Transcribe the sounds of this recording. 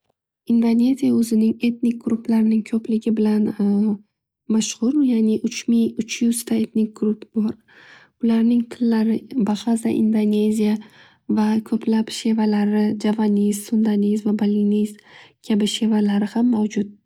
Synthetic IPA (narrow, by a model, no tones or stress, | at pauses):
ind̪one̞zijaɵzɪnɪŋe̞t̪nɪk̚ɡɾuplaɾɪnɪŋkʰɵplɪɡʲɪbɪlan | maʃχʊɾjanɪʔʊt͡ʃmɪʊt͡ʃʰjʊzt̪ʰae̞t̪nɪk̚ɡɾupbɒɾ | ʊlaɾnɪŋt̪ʰɪlːaɾɪbaχazaʔḭnd̪one̞zija | vakʰɵpʰlapʃe̞valaɾɪd͡ʒavanijzsʊnd̪anizvabalinizkʲʰabɪʃe̞valaɾɪhamːawd͡ʒʊt̪̚